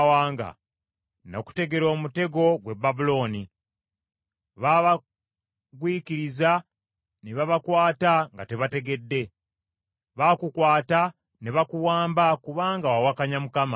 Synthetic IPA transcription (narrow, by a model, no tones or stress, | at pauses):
waːŋɡa̰ | no̰ku̥te̞ɡe̞ɾo̞ːmute̞ɡo̞ɡwe̞bːabulo̞ːni | βaβa | kwiːkiɾiza | neβaβakwaːtaŋɡa̰te̞βate̞ɡe̞dːe̞ | βakukwaːta | neβakuwaːmbakuβaːŋɡawawakaɲamukama